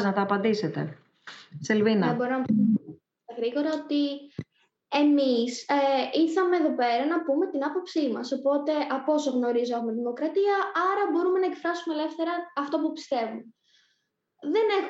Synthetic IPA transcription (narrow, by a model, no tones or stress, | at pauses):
znɐt̪ɐːpɐnd̪ise̞t̪e̞̰ | selvinɐbo̞ɾonɐp | t̪ɐɣɾiɣo̞ɾɐo̞t̪i | e̞misiθɐmeːðo̞pe̞ɾɐnɐpume̞t̪inɐpo̞psimɐso̞po̞t̪e̞ʔɐpo̞so̞ɣno̞ɾizoexumet̪iðimo̞kɾɐt̪iɐʔɐɾɐbo̞ɾume̞nɐekfɾɐsumele̞fθe̞ɾɐːft̪o̞pupi̥st̪e̞vume | ðe̞ne